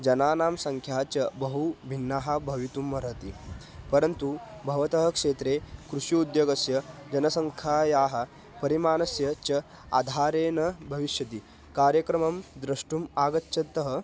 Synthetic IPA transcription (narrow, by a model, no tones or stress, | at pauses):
d͡ʒɐnaːnaːmsɐŋkʰjaːt͡ɕɐbɐɦubʱinːaːɦɐbʱɐʋit̪umːɐɾɐt̪i | pɐɾɐnt̪ubʱɐʋɐt̪ɐɦɐkʂeːt̪ɾeːkɾuʂjuud̪joɡɐsjɐd͡ʒɐnɐsɐŋkʰaːjaːɦɐ̆ | pɐɾimaːnɐsjɐt͡ɕɐ | a̰d̪ʱaːɾeːnɐbʱɐʋiʃjɐt̪iː | kaːɾjɐkɾɐmɐmd̪ɾɐʂʈumaːɡɐtːɕʰɐt̪ːɐɦə